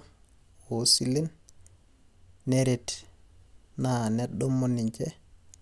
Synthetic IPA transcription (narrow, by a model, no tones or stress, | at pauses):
hosilin | neɾet | nanɛɗːɔmːonːiɲt͡ʃɛ